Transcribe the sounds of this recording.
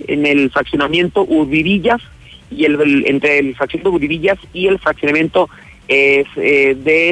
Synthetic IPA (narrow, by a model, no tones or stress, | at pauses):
ḛnelfɾaksjo̞namje̞nt̪o̞ʔuɾβiβiʝas | ieḛnt̪ɾelfɾaksjond̪ouɾβiβiʝasie̞lfɾaksjonamje̞nt̪o | eseðe